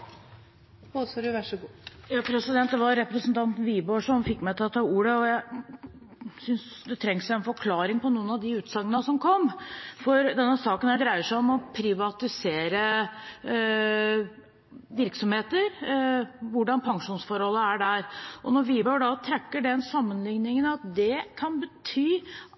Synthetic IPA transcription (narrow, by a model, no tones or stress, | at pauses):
osɔɖʉʋæʂɔɡuːjɑːpʰɾɛsɪd̪ɛnt̪̚d̪ɛʋɑɾɾɛpɾəsənt̪ʰɑnt̪n̩ʋiːboːʂɔmfɪkːmæɪt̪ʰɛlɔt̪ʰɑːuːɾəɔjæɪ | sʏnsd̪ɛt̪ʰɾɛŋsæɛnfɔɾkʰlɑːɾɪŋpɔnuːənɑʋd̪ɪʉːt̪sɑŋːənəsɔmkʰɔmːfɔɾd̪ɛnːəsɑːkənæd̪ɾæɪəʂæɪɔmɔpʰɾɪʋɑt̪ɪseːɾə | ʋɪɾksɔmheːt̪əɾ | ʋʊɖɑnpʰɑŋʂuːnsfɔɾhɔlːəæɖæɾʔɔnɔɾʋiːboːɖɑt̪ʰɾɛkːəɖɛnsɑmːənlɪŋnɪŋənɑt̪̚d̪ɛkʰɑnbət̪ʰyː